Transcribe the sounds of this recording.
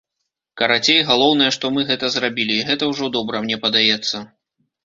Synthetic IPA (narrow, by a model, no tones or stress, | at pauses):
kɐɾat͡sʲejɣalˠɔwnɐjɛʂt̪ɔmɨɣɛt̪ɐzɾabʲilʲiːɣɛt̪ɐwʐɔd̪ɔbɾɐmnʲɛpɐd̪ajɛt̪sːɐ